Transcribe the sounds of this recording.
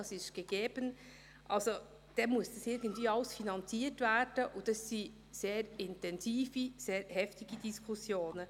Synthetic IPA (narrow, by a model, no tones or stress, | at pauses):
ɑsɪʃɡ̥əɡ̥eːb̥ən | ʔɑlso | d̥ɛmuəsd̥ɑsɪɾɡəntviːɑʊsfinɑnt͡siːərtværd̥əʔʊntɑsːi | seːɾɪntɛnziːfiseːɾhɛftiɡ̥idiskʰusjoːnə